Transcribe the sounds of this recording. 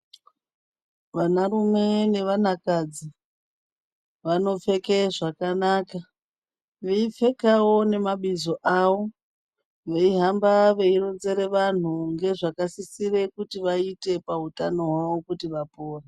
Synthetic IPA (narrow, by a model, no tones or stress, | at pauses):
ʋanarume̞ne̞ʋan̤akad͡zi | ʋano̞fe̞keʐakanaːka | ʋeip͡fe̞kawo̞ne̞maɓizo̞ʔawo̞ | ʋe̞iɦambaʋe̞iɾo̞nze̞ɾe̞ʋan̤uŋɡe̞ʐakasisire̞kutiʋaite̞pautano̞ɦwaʋo̞kutiʋapoːre